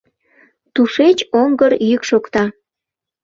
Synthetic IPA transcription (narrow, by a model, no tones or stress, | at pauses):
t̪uʃet͡ɕoŋɡəɾjykʃokt̪ɑ